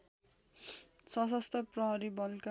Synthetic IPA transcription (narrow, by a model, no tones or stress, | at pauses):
sʌs̬ʌst̪ʰʌprʌɦʌɾibʌlka